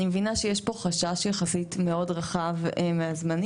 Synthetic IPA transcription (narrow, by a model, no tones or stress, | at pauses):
nimevinaʃejeʃpo̞χaʃaʃjaχasitme̞o̞dʁaχavmeazman